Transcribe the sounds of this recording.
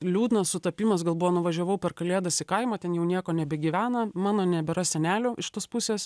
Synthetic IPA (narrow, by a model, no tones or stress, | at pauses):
lʲuːd̪nɐssʊt̪ɐpʲiːmɐs̬ɡɐlˠbʊʋoːnʊʋɐʒʲoʋɐʊpʲɛrkɐlʲeːd̪ɐsɪkɐɪmoːt̪ʲɛnjɛʊnʲiɛkoːnʲɛbʲɛɡʲiʋʲæːnɐmɑːnoːnʲɛbʲɛɾɐsʲɛnʲæːlʲʊːʔɪʃt̪oːspʊsʲeːs